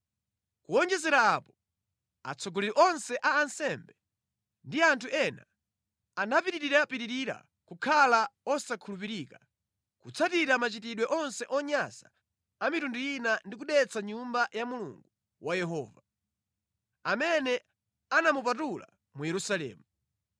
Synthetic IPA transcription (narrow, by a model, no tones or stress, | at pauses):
kuɔnd͡ʒɛzɛɾaːpɔ | a̰t͡sʰɔɡɔlɛɾiʔɔnsɛʔaːnsɛmbɛ | ndiantʰuʔɛna̰ | anapiɾiɾiɾapiɾiɾiɾa̰ | kukʰalaɔsakʰulup̬iɾika | kut͡sʰatiɾamat͡ʃitiɗwɛʔɔnsɛʔɔɲasaː | mitundujinandik̬uɗɛt͡sʰaɲumbajamulṵŋɡu | wajɛɦɔ̰ːva | amɛnɛ | anamupatula̰ | mujɛɾusalɛ̰ːmu